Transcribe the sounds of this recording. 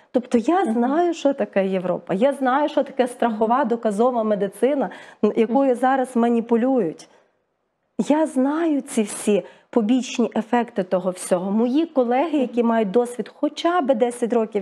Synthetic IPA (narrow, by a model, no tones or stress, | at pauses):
t̪ɔpt̪ɔjaznɑjʊʃɔt̪ɐkɛjeʋɾɔ̰pɐjaznɑjʊʃɔt̪ɐ̥kɛst̪ɾɐxɔʋɑd̪ɔkɐzɔʋɐmed̪ɪt̪sɪnɐjɐkujʊzɑɾɐzmɐnʲipʊlʲujʊtʲ | jaznɑjʊt͡sʲiwsʲipɔbʲit͡ʃnʲiʔefɛkt̪ɪt̪ɔɦɔwsʲɔɦɔmɔjikɔlˠɛɦɪjɐkʲimɑjʊt̚ʲd̪ɔsʲʋʲid̪xɔt͡ʃɑbɪd̪ɛsʲɐtʲɾɔkʲiw